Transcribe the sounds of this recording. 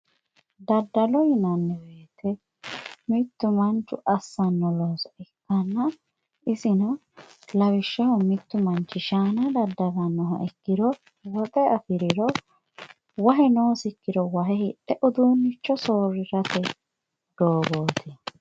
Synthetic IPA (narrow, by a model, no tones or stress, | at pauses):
d̪ɐd̪ːɐlɔjɪnɐnːɛweːt̪ʰɛ | mɪt̪ːʊmɐnt͡ʃːʊ̰ʔɐsːɐnːɔloːsɔɛkːɐnːɐ | ɪsɪnɐ | lɐwɪʃːɐhɔmɪt̪ːʊmɐnt͡ʃːɪʃaːnɐd̪ɐd̪ːɐbɐnːɔɦɐ̰ʔɛkːɪd̪ɔ | wɔt̪ʼɛɐfɪɾɪɾɔ | wɐɦɛnoːsɪkːɪd̪ɔwɐɦɛhɪᶑɛʔʊd̪uːnːɪt͡ʃːɔsoːɾɪɾɐt̪ɛ | d̪̥oːɡoːt̪ʰɪ